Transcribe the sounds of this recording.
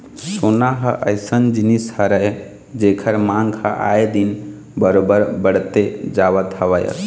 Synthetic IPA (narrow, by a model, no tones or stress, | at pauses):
sonaɦəʔəjsənd͡ʒinishəɾəɦ | d͡ʒekʰəɾmãŋɡhəʔa̰ed̪in | bəɾobəɾbəɽt̪ed͡ʒaʋət̪əʋəjə̰s